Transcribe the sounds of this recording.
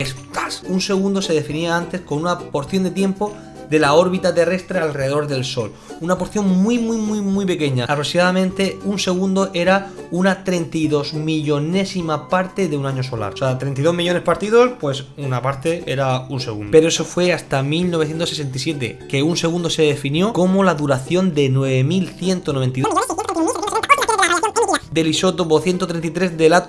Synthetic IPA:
est̪asunse̞ɣ̞ũnd̪o̞se̞ðe̞finiaant̪e̞skonunapo̞ɾθjo̞nd̪e̞t̪je̞mpo̞ | d̪e̞lao̞ɾβit̪at̪e̞re̞st̪ɾealreðeðo̞ɾðe̞lso̞l | unapo̞ɾθjo̞ŋmwimwimwimwijpe̞ke̞ɲaapɾosijaðamẽnt̪e̞unse̞ɣũnd̪o̞ʔe̞ɾaunat̪ɾe̞nt̪ajðo̞zmiʝo̞ne̞simapaɾt̪e̞ðeunãɲo̞so̞la̰ɾseat̪ɾent̪iðo̞ɦmiʝo̞ne̞spaɾt̪iðo̞spwe̞sunapaɾt̪e̞e̞̰ɾaunseɣṵnd̪pe̞ɾoeso̞fwe̞ast̪amilno̞β̞θje̞nt̪osese̞nt̪̬isje̞t̪̬e̞̰ke̞unse̞ɣ̞ũnd̪o̞se̞ðefinjo̞ko̞molaðuɾaθjo̞nd̪e̞nwe̞βe̞milθje̞nt̪onoe̞nt̪i | d̪e̞liso̞t̪opoθje̞nt̪o̞t̪ɾe̞nt̪it̪ɾe̞zd̪e̞la

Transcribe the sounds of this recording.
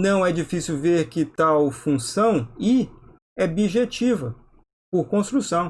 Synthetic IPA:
nɐ̃w̃ɛd͡ʒifisiuwveɾkɪt̪awfũsɐ̃w̃ɪ | ɛbiʒet͡ʃivɐ | poɾkõst̪ɾusɐ̃w̃

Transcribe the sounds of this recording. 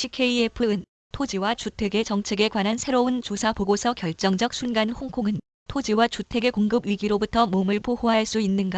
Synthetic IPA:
ɕʰikʰeiepʰɯɯn | tʰod͡ʑiwat͡ɕutʰe̞ɡe̞t͡ɕʌŋt͡ɕʰe̞ɡe̞kwanɦansʰe̞ɾoɯnt͡ɕosʰapoɡosʰʌkjʌɭt͡ɕ͈ʌŋd͡ʑʌk̚s͈ʰunɡanhoŋkʰoŋɯn | tʰod͡ʑiwat͡ɕutʰe̞ɡe̞koŋɡɯbɥiɡiɾobutʰʌmomɯɭpʰohoɦaɭs͈uinːɯnɡa

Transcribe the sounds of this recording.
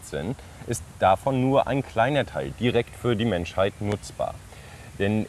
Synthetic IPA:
t͡sɛ̰n | ʔɪstd̥afɔnːuːɐʔa̰ɪnkʰl̥aɪnɐtʰaɪld̥iʁɛktfyːɐdiːmɛnʃhaɪtnʊt͡sb̥a̰ːɐ | d̥ɛn

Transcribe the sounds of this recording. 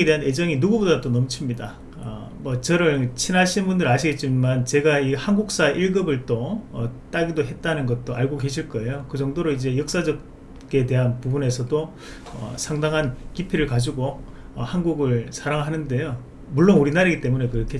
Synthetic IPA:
edeaned͡ʑʌŋinuɡubodat͈onʌmt͡ɕʰimɲida | ʌ | mʌt͡ɕʌɾɯt͡ɕʰinaɕʰinbundɯɾaɕʰiɡe̞t̚t͡ɕ͈imant͡ɕe̞ɡaihanɡuk̚s͈aʔiɭɡɯbɯɭt͈oʌt͈aɡidoɦe̞t̚t͈anɯnɡʌt̚t͈oaɭɡoɡe̞ɕʰiɭk͈ʌe̞jokɯd͡ʑʌŋdoɾoid͡ʑe̞jʌk̚s͈ad͡ʑʌk̚ | k͈e̞de̞ɦanpubune̞sʰʌd͈o | ʌ̰sʰaŋdaŋɦankipʰiɾɯɭkad͡ʑiɡo | ʌhanɡuɡɯɭsʰaɾaŋɦanɯnde̞jo | muɭːonuɾinaɾeɡit͈e̞mune̞kɯɾʌkʰe

